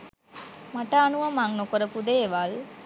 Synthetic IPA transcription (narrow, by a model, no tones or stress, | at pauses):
mɐʈːaːnuʋɐmaŋnokoɾɐpud̪eeʋaːl